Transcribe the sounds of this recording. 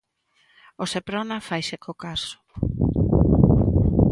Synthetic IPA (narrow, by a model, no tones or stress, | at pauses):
osepɾonafajsekokasʊ̥